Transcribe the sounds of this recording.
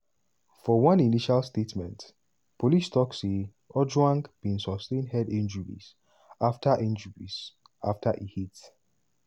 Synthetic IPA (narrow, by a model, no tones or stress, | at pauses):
fɔwʌ̃niniʃalstetmɛ̃nt | polistɔkse | ɔd͡ʒwãŋkb̥ĩnsɔstẽnhɛdɛ̃nd͡ʒuɹḭs | aftaʔɛ̃nd͡ʒuɹis | ʔa̰ftʰaʔihit